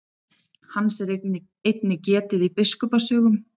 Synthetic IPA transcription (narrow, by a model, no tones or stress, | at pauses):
hanːsɛɾ | ejt̪nɪcɛːt̪ɪðipɪskɔpasœːɣʏm